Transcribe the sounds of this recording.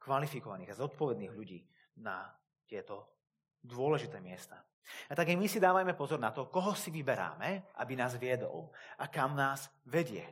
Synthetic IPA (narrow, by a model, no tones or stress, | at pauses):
kʋalifikɔʋaniːɣazɔt̪pɔʋɛd̪niːɣʎuɟiː | na | t̪ɪɛt̪ɔ | d̪ʊɔlɛʒit̪ɛːmɪɛst̪aː | at̪aɡajmisid̪aːʋajmɛpɔzɔɾnat̪ɔkɔɦɔsiʋibɛɾa̰ːmɛʔa̰binaːzʋɪɛd̪ɔ̰lʔakamnaːz̥ʋɛɟɪɛ̰